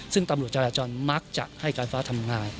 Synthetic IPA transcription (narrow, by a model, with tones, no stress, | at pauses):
sɯ˥˩ŋt̪a˧mɾu˨˩ət̪̚t͡ɕaː˧ɾaː˧t͡ɕɔː˧nma˦˥k̚t͡ɕa̰˨˩ʔha˥˩jkaː˧nfaː˦˥t̪ʰa˧mŋaː˧n